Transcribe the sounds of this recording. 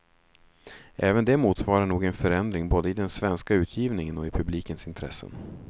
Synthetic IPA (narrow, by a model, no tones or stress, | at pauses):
ʔɛːvənd̪ɛmuːt̪svɑːɾaɳuːɡɛnfœɾɛnd̪ɾɪŋboːd̪əɪd̪ɛnsvɛnskaʉ̟ːt̪ʰjiːvnɪŋənɔɪpʰɵbliːkənsɪnt̪ʰɾɛ̰sːə̰n